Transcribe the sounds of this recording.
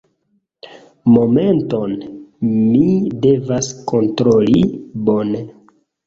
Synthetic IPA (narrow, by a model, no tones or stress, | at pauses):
mo̞me̞nto̞n | mide̞vasko̞ntɾo̞libo̞ne